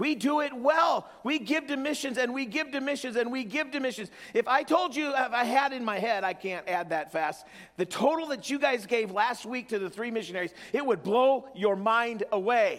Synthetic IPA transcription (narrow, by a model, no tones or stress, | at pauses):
widəɪt̚wɛlˠ | wiɡɪvdɨmɪʃɨ̃nzɨ̃nwiɡɪvdɨmɪʃɨ̃nzɨ̃nwiɡɪvdɨmɪʃɨ̃nzɨfaɪtʰoʊlˠd͡ʒɨfaɪɨɾɨ̃nmaɪɦɛɾaɪkʰæ̃ntæd̪̚ðɨtfæst̪̚ | ðɨtʰoʊɾl̩ˠðɨt͡ʃɨɡaɪzɡeɪvlæst̚wik̚tʰɨðɨθɹimɪʃɨnɛɹiz̥ɨt̚wəd̚bloʊjə˞mãɪ̃ndəweɪ